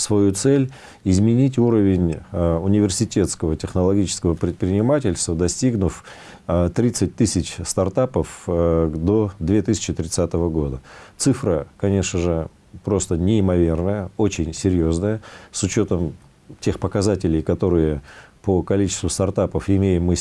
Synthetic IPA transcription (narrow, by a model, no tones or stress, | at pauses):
svɐjut̪sɛlʲ | ɪzmʲɪnʲitʲuɾəvʲɪnʲʊnʲɪvʲɪrsʲɪtʲe̞t̪skəvətʲɪxnəlˠɐɡʲit͡ɕɪ̥skəvəpɾʲɪt̪̚pɾʲɪnʲɪmatʲɪlʲst̪vəd̪ɐsʲtʲiɡnʊf | t̪ɾʲit̪sɨt̚ʲt̪ɨsʲɪt͡ɕst̪ɐrt̪apəf | d̪o̞d̪vʲet̪ɨsʲɪ̥t͡ɕɪt̪ɾʲɪt̪sat̪əvəɡo̞d̪ət̪sɨfɾəkɐnʲe̞ʂnəʐɨ | pɾo̞st̪ənʲɪɪmɐvʲe̞rnəjəo̞t͡ɕɪnʲsʲɪɾʲjo̞znəjəsʊt͡ɕo̞t̪əm | tʲe̞xpəkɐzatʲɪlʲɪjkɐt̪o̞ɾɨjəpəkɐlʲit͡ɕɪ̥st̪vʊst̪ɐrt̪apəfɪmʲejɪmːɨ